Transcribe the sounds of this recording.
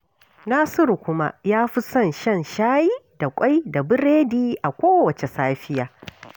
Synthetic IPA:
naː˦sʊ˦ɾu˨kʷʊ˦ma˦jaː˦ɸi˦sɐ˦˨nʃɐ˦˨nʃaː˦ji˦da˨kʷʼa˦jda˨bɪ˦ɾeː˦diː˦ʔa˨kʷoː˦wɐ˨t͡ʃe˨saː˦ɸɪ˦jaː˨

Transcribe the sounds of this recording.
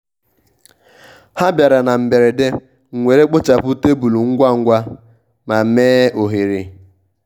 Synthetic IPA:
ha˦bja˨ɾa˨na˨m̩˨be˨ɾe˨de˦ | ŋ̩˨ŋʷe˨ɾe˦k͡pʊ˦t͡ʃa˨pʊ˦te˦bu˨lu˨ŋ̩˦ɡʷa˦ŋ̩˦ɡʷa˦ | ma˨˦meː˦o˨ɦi˨ɾi˨

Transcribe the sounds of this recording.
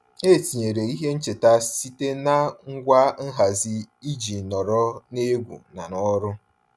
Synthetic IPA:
e˦˨ti˨ɲe˨ɾe˨i˦ɦe˦n̩˦t͡ʃe˨ta˦si˦te˦na˦ŋ̩˦ɡʷa˦n̩˦ɦa˨zɪ˦i˦d͡ʒi˨nɔ˨ɾɔ˦ne˦ɡʷṵ˨na˨nɔ˦ɾʊ˦

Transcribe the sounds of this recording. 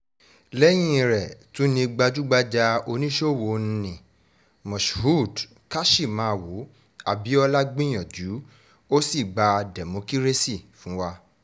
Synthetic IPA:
lɛ˦j̃ĩ˦˨˧ɾɛ˨tũ˦nĩ˧ɡ͡ba˧d͡ʒu˦ɡ͡ba˧d͡ʒa˧o˧nĩ˦ʃo˦˨wo˨˧ñ̩˦nĩ˨ | mɔ̃˨ʃhu˦˨d | ka˦ʃi˦˨mãː˨˦˧wo˨˦ | a̰˨bi˨˦ɔ˧la˦ɡ͡bĩ˦j̃ã˨d͡ʒu˨˦ | o˦si˦˨ɡ͡ba˧dɛ˨mo˨˧˦ki˦ɾe˦si˦˨fũ˨˦wa˧

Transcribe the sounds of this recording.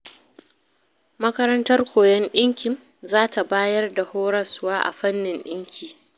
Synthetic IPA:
mɐ˦kɐ˦ɾɐ˦ntɐ˦rkʷoː˨jɛ˦nɗɪ˦ŋkʲɪ˨ŋ | zaː˦ta˨baː˦jɐ˦rda˨hoː˦ɾɐ˦sʊ˦waː˦ʔa̰˨ɸɐ˦nːɪ˨nɗɪ˦ŋkʲiː˨

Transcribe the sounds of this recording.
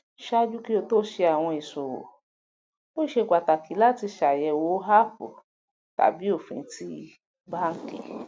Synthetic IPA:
ʃa˦d͡ʒu˦ki˦o˧to˦ʃe˧a˨w̃ɔ̃˧i˨so˨wo̰˨ | o˦˨ʃe˧˨ɡʷa˨ta˨ki˨˦la˦ti˧ʃa˨jɛ˨wo˨˦ɦa˦fo̰˨ | ta̰˨˦bi˦o˦˨fḭ̃˨˦ti˧˦ | ba˦ŋ̩˦kḛ˨

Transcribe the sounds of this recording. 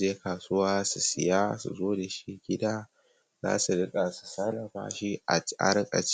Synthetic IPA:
d͡ʒeː˦kaː˨su˦waː˦su˨sɪ˨jaː˦sṵ˨zoː˦da˨ʃi˦ɡʲɪ˦daː˦ | za̰ː˦su˨ɽɪ˦kʼa˨su̥˨sa˦lɐ˨ɸa̰ː˦ʃi˦ʔa˨a̰˦ɾkʼɐ̰˨t͡ʃ

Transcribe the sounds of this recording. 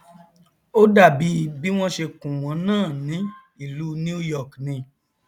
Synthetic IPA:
o˦da˦˨bi˨˦bi˨˦w̃ɔ̃˦ʃe˧kũ˨w̃ɔ̃˨˦nãː˦˨nĩ˨˦ | i˦˨lu˨˦ni˦u˦jɔ˦˨knĩ˧

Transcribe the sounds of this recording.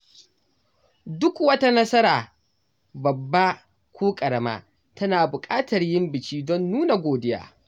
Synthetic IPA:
dʊ˦kwɐ˦ta˦nɐ˦sɐ˦ɾaː˨ | bɐ˨bːa˦ | kʷoː˦kʼɐ˨ɽɐ˦ma̰ː˦ | tɐ˦naː˨bʊ˨kʼaː˦tɐ˨rjɪ˦mbɪ˨t͡ʃiː˦dɔ˦nːuː˦na˨ɡʷoː˨dɪ˦ja̰ː˦

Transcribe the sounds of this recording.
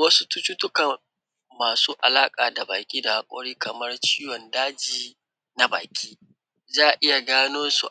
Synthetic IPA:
wɐ˦su˦tu˦t͡ʃu˦tʊ˦kɐ˨ | maː˨suː˦ʔa˨laː˦kʼaː˨da˨baː˨kʲʼiː˦da˨ha˨kʷʼɔ̰˦ɽiː˦kɐ˨mɐ˦rt͡ʃiː˦jɔ˨ndaː˦d͡ʒiː˨ | na˦ba̰ː˨kʲʼiː˦ | zaː˦˨ʔɪ˦ja˨ɡaː˦noː˦nsṵ˨ʔ

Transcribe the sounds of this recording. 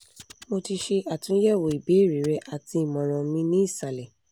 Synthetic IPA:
mo˧ti˧ʃe˧ʔa˨tũ˨˦jɛ˦˨wo˨i˨be˨˦i˦˨ɾi˨˦ɾɛ˧˦ʔa˦˨ti˧i˦˨mɔ̃˨ɾ̃ɔ̃˨mĩ˦nĩ˦i˦˨sa˨lɛ˨

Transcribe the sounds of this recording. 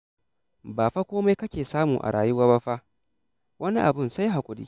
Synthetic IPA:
baː˨ɸa˦kʷoː˦ma˦jkɐ˦kʲeː˨saː˦muː˨ʔa̰˨ɽaː˨jʊ˦waː˦ba˦ɸa˦ʔ | wʔɐ˦ni˦ʔa˨bʊ˦˨nsa˦jɦa˨kʷʼʊ˦dḭː˦

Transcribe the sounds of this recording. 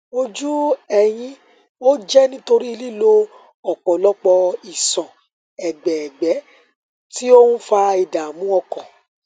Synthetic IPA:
o˧d͡ʒu˦ɛ˦˨j̃ĩ˧ | o˦d͡ʒɛ˦nĩ˦to˧ɾi˦i˧li˦lo˦ | ɔ˨k͡pɔ̃˨lɔ˦k͡pɔ˧i˨sɔ̃˨ | ɛ˨ɡ͡bɛ˨ɛ˨ɡ͡bɛ˨˦ | ti˦o˦hũ˦fa˧i˨da˨mũ˨˦ɔ˦˧kɔ̃˨

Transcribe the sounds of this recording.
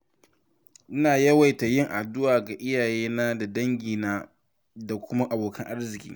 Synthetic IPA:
ʔɪ˦naː˨jɐ˦wa˨jta˨jɪ˦ŋʔa˨dʊ˦waː˨ɡa˨ʔɪ˦jaː˨jeː˦naː˦da˨dɐ˦ŋɡʲiː˨naː˦ | da˨kʷʊ˦ma˦ʔa˨boː˨kʰɐ˦ŋʔa˦rzɪ˨kʲḭː˦

